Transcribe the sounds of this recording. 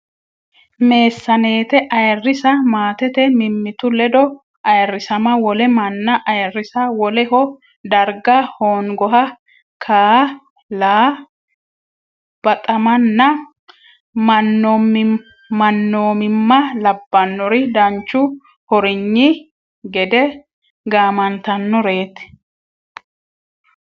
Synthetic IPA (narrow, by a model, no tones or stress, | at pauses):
me̞ːsːɐne̞ːt̪ɛʔɐjrːɪsɐmaːt̪ɛt̪ɛmɪmːɪt̪ʊlɛd̪ɔ | ɐjrːɪsɐmɐwɔlɛmɐnːɐʔɐjɛrːɪsɐwɔlɛhɔ | d̪ɐɾɡɐhoːŋɡɔɦɐ | kʰaː | laː | b̥ɐt̪ʼɐmɐnːɐ | mɐnːɔm | mɐnːoːmɪmːɐlɐbːɐnːɔɾɪd̪ɐnt͡ʃːʊ | hɔɾɪɲːɪ | ɡɛd̪ɛ | ɡaːmɐnt̪ɐnːɔɾe̞ːt̪ɛ̥